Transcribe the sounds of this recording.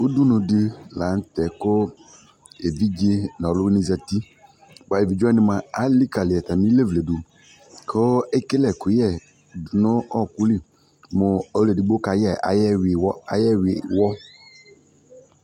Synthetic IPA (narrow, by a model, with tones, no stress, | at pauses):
ʊ˦du˦nʊ̃˨dɪ˦la˨˦n̩˦tɛ˨kʊ˦ | e˨vi˦d͡ʒe˦n˨ɔ˨lʊ˦i˦nĩ˦za˨ti˦ | ba˨e˨vi˨d͡ʒɔ˦nɪ˨ma˨a˦li˦ka˨lɪ˨ɛ˨ta˨mĩ˦le˦vle˨du˨ | kʰo˦ɛ˦ke˦lɛ˨kʊ˨jɛ˦˨ | dʊ˨nʊ˦ʔɔ˦˨ku˦li˦ | mʊ˨ɔ˦le˨di˨ɡ͡bo˦ka˨jɛ˨a̰˨˦jɛ˦wɪ˨wɔ˦a˨˦jɛ˦wɪ˨wɔ˦